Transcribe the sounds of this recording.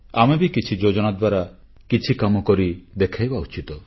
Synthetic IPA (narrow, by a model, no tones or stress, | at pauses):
amebikit͡ʃʰid͡ʒod͡ʒɔnad̪waɾa | kit͡ʃʰikamɔkɔɾid̪ekʰajbaut͡ʃit̪ɔ